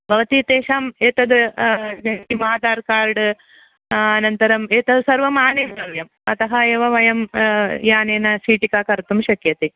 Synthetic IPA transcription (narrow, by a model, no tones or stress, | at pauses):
bʱɐʋɐt̪iːt̪eːʃaːmeːt̪ɐd̪ɨɐkimaːd̪aːɾkaːɾɖɨ | ɐnɐnt̪ɐɾɐmeːt̪ɐd̪ɨsɐɾʋɐmaːneːmnɐɾjɐm | ɐt̪ɐɦɐeːʋɐʋɐjɐmjaːneːnɐsiːʈikaːkɐɾt̪umʃɐkjɐt̪i